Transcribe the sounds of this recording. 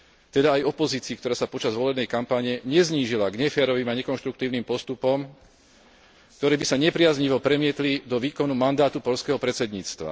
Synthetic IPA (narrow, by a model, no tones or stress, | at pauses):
t̪ɛd̪aːjɔpɔziːt͡siːkt̪ɔɾaːsapɔt͡ʃazʋɔlɛbnɛjkampaɲɛɲɛzɲiːʒilaɡɲɛfɛːɾɔʋiːmaɲɛkɔnʃt̪ɾuk̚t̪iːʊnimpɔst̪upɔm | kt̪ɔɾɛːbisaɲɛpɾɪazɲiʋɔpɾɛmɪɛt̪lid̪ɔʋiːkɔnumand̪aːt̪upɔʎskɛɦɔpɾɛt͡sɛd̪ɲiːt͡st̪ʋa̰